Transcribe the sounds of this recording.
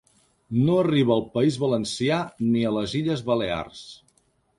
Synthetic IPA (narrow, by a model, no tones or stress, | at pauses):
noəriβ̞əːlˠpəizβələnsianiələziʎəzβəlea̰rs